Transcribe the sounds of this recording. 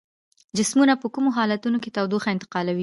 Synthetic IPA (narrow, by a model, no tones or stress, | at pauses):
d͡ʒɪsmunapəkumoɦɑlat̪unoket̪awd̪oxaɪnt̪ɪ̥qɑlawi